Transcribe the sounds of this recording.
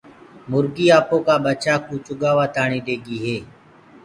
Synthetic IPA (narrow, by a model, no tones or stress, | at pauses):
mʊɾɡiːaːpõːkaːɓət͡ʃaːkuːt͡ʃʊɠaːʋaːt̪ʰaːɳ̃iːɗeːɡiːɦeː